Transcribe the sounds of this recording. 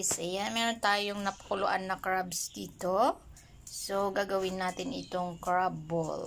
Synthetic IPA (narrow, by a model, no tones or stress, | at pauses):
ɪsɛjamɛːɾont̪aːjoŋnɐpɐ̥kʊlʊʔa̰nːɐkɹabsd̪iːt̪o | soɡaːɡɐwɪnːaːt̪ɪnʔɪt̪oŋkɹabol